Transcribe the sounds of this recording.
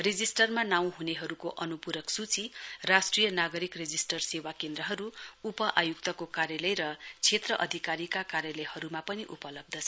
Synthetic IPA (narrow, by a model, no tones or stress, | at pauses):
rid͡zisʈʌrmanaw̃ɦuneɦʌɾukoʔʌnupuɾʌksut͡sirasʈrijʌnaɡʌɾikred͡zisʈʌrsewakend̪rʌɦʌɾuupʌʔajuk̚t̪ʌkokaɾjalʌjɾʌt͡sʰet̪rʌʔʌd̪ʱikaɾikakarjalʌjhʌɾumapʌniʔupʌlʌb̚d̪ʱʌt͡sʰʌ